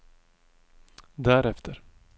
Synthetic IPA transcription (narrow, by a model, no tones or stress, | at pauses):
d̪æɾɛft̪ʰəɾ